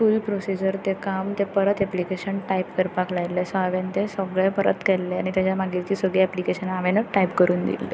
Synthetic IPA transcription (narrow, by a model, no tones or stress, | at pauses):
fuːlpɾosid͡ʑəɾt̪ekamt̪epəɾət̪ɛplikeɕənʈajpkəɾpaklajlesaʋẽnt̪esəɡɭepəɾə̰t̪kɛlːea̰ɽ̃it̪jat͡ɕjamaɡitt͡ɕiːsəɡɭiɛplikeɕənaʋenəʈajpkəɾuːnd̪ḭlːe